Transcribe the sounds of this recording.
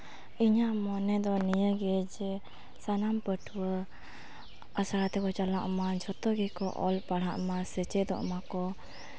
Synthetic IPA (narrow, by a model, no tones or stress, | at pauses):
iɲamɔnɛd̪ɔnijəɡɛd͡ʒɛ | sanampəʈʰuwə | asaɾat̪ɛkɔt͡ʃalaʔmad͡ʒɔt̪ɔɡikɔʔɔ̰lpaɽaʔmasət͡ʃɛd̪ɔ̰ʔmakɔ